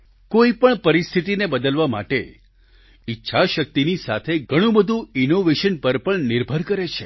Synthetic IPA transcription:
koipəɳpəɾist̪ʰit̪inebəd̪əlʋama̰ʈe | itːʃʰaʃək̚t̪inisat̪ʰeɡʱəɽ̃ũbəd̪ʱũinoʋeʃənpəɾpəɳniɾbʱəɾkəɾet͡ʃʰe

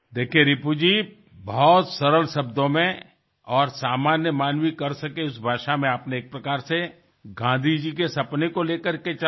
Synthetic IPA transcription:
d̪eːkʰieɾɪpud͡ʒiː | bɔɦɔt̪sɐɾəlsɐb̚d̪õmẽ | ɔːɾsaːmaːnjəmaːnwikɐɾsɐkeʊsbʱaːʃamẽaːpneeːk̚pɾɐkaːɾse | ɡãːnd̪ʱid͡ʒikesɐpnekoleːkəɾket͡ʃ

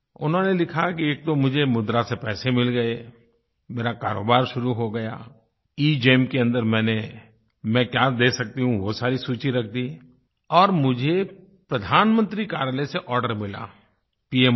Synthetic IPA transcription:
ʊ̰nɦõnelɪkʰakieːk̚t̪omʊd͡ʒʱemʊd̪ɾasepɛːsemɪlɡɐe | meːɾakaːɾo̰ːbaːɾʃʊɾuɦoɡɐja̰ː | iːd͡ʒeːmkeɐ̃nd̪əɾmɛ̃ːne | mɛ̃kjaːd̪eːsɐk̚t̪iɦũʋosaːɾisuːt͡ʃiɾɐkʰd̪i | ɔːɾmʊd͡ʒʱe | pɾɐd̪ʱaːnmə̃nt̪ɾikaːɾjəleseʔɔːɾɖəɾmɪla̰ː | piːem

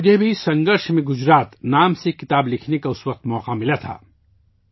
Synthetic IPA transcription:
ʊd͡ʒebʱisɐ̃ŋɡəɾʃmẽɡʊd͡ʒɾaːt̪naːmsekɪt̪aːblɪkʰnekaʊswɐq̚t̪mɔːqamɪlat̪ʰa̰ː

